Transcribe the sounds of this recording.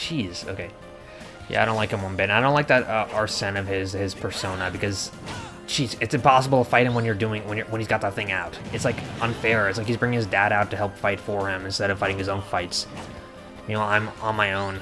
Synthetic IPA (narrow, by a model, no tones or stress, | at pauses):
t͡ʃʰiz̥o̰ʊkʰeɪ | jæ̰aɪdõʊ̃nlaɪkɨ̃wʌ̃nbɪtnaɪɾõʊ̃nlaɪk̚ðɨɾʌʔɑ˞sɛ̃nʌv̥ɪzɪz̥pʰə˞sõʊ̃nəbɨkʌz̥ | t͡ʃʰiz̥ɨtsɨ̃mpʰɑsəbl̩ˠtʰəfaɪɾ̚ɪ̃mwə̃njə˞dʉɪ̃ŋwə̃njə˞wə̃nhizɡɑt̪̚ðət̪̚θɪ̃ŋaʊtɨtslaɪkʔə̃nfɛɹɨtslaɪkhizbɹɪŋɪ̃ŋɨzdæɾaʊtʰɨhɛlˠpfaɪtfə˞ɪ̃mɨ̃nstɛɾʌv̥faɪɾɪ̃ŋɨzõʊ̃nfaɪts | jɨnoʊãɪ̃mə̃nmaɪõʊ̃n